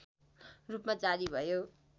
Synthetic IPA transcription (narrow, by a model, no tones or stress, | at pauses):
rupmad͡zaɾibʱʌjo